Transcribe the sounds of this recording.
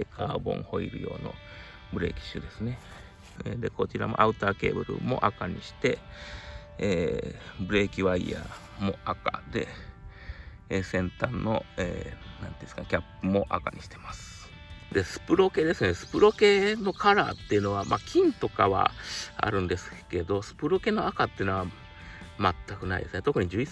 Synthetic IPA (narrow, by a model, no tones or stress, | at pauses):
ekʰaːbõ̞̰ɴ̃ho̞iɾɯ̟̰jo̞̰ːno̞̰ | bɯ̟ɾe̞ːkʲi̥ɕɨːd̪e̞sɨne̞ | ed̪e̞ko̞t͡ɕiɾamo̞ʔaɯ̟t̪aːke̞ːbɯ̟ɾɯ̟mo̞̰ʔakaɲ̟iɕi̥t̪e̞ | eːbɯ̟ɾe̞ːkʲiβaia | mo̞aka̰d̪e̞̰ | eːsẽ̞nt̪ãnːo̞eːnãnt̪eiskakʲapːɯmo̞ʔa̰kaɲiɕi̥t̪ʰe̞masɨ̥ | d̪e̞sɨ̥pɯ̟ɾo̞ke̞d̪e̞sɨnesɨ̥pɯ̟ɾo̞ke̞no̞kʰaɾa̰ːt̪ːe̞jiɯ̟no̞βamʔakʲʰĩnt̪o̞ka̰βa̰a̰ɾɯ̟̃nd̪e̞sɨ̥ke̞d̪o̞sɨ̥pɯ̟ɾo̞ke̞noakat̪ːei̟noa | mat̪ːakɯ̟naḭd̪e̞sɨne̞t̪o̞kɯ̟ɲ̟id͡ʑɨːi